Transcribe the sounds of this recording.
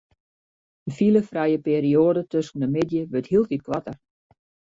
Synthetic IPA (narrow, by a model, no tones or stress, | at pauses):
dəfiləfrɛjəpeːɾioːədətøsən̩dəmɪdjəʋøthiəlˠfit̚kʋatər